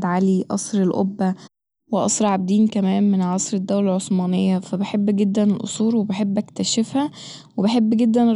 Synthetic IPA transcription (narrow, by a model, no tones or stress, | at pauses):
d̪ʕaliʔɑ̰sˤɾelʔo̰bːæ | weʔɑ̰sˤɾʕab̚d̪iːnkæmæːmmenʕɑsˤɾed̪ːæwlælʕosˤmɑːnejːɑfæbeħebːɡed̪ːænelʔo̰sˤuːɾwebeħebːʔækt̪æʃefhæ | webeħebːɡed̪ːæn